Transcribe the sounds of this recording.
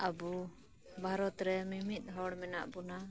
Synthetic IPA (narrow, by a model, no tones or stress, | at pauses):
abu | bʱaɾɔt̪ɾɛmimit̪̚ˀɦɔɽmɛnaʔbuna